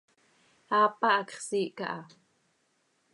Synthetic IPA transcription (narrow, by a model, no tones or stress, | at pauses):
haːpɑʔɑkχsiːʔka̰ʔɑ